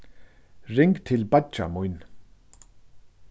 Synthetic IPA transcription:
rɪŋkt̪ʰɪlbat͡ʃa̰mujn

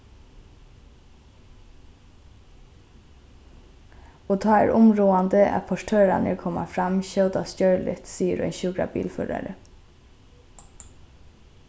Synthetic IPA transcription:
oːt̪ʰɑːæ̰ːɹʊmɾoːɑnd̪əʔɛ̰pʰɔʃʈʰøːɾɑnəkʰɔmɑfɾɑmçœʊd̪ɑst̪jœɹlɪ̰t̪siːəɾœ̰ʏnçʊɡɹɑ̰bḭːlfø̰ːɾɑ̰ɾə

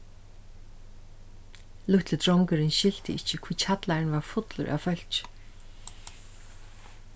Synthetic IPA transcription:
lʊht̪lɪt̪ʰɾɔŋkʏɾɪnʃɪl̥t̪ɪɪht͡ɕːɪkʰv̥iːt͡ɕʰat̪laɾɪnvaɹfʊt̪lʊ̰ɾʔa̰wfœl̥t͡ʃ

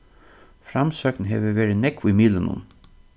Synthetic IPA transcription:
fɾamsœːknɦḛːʋəʋɛːɾɪnɛkimiːlənṵn

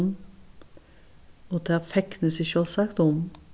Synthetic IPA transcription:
n | ot̪ʰɑfɛknəsɪʃøːlsɑkt̪ɔm

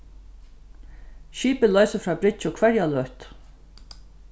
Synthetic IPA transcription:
ʃiːpəlœɥsəfɾɑːbɾɪt͡ʃɔkʰvɛɾjalœht̪

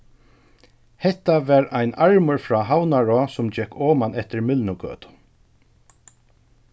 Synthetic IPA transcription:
hɛht̪ːaʋɛːɹajnaɹmʊɹfɾɔːɦawnaɹɔsʊmd͡ʒɛkʰːɔːmanɛht̪ɪɹmɪlnʊkø̰ːt̪ʊ̥

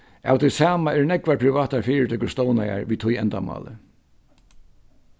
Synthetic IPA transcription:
a̰wt̪ʰɪlsaːmaɛɾnɛkʋaɹpʰɾɪʋaːt̪aɹfiːɾɪt̪ʰʏkːʊɹst̪ɔːwnaja̰ɹʋiːt̪ʰʊjɛnt̪amɑ̰ːlə̰

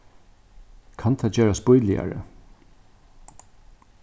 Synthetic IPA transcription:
kʰant̪ʰad͡ʒeːɹaspʊjlɪa̰ɹə̰

